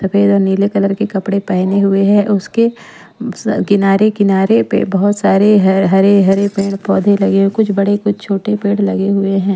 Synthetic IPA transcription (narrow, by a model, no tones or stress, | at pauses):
sɐfʰeːd̪ɔːɾniːlekɐləɾkekɐpɽepɛɦneɦʊeɦɛ̃ʔʊske | kɪnaːɾekɪnaːɾepḛbɐɦʊt̪saːɾeɦɦɐɾeɦɐɾepeːɽpɔːd̪ʱelɐɡeɦkʊt͡ʃʰbɐɽekʊt͡ʃʰt͡ʃʰoːʈepẽːɽlɐɡeɦʊeɦɛ̃ː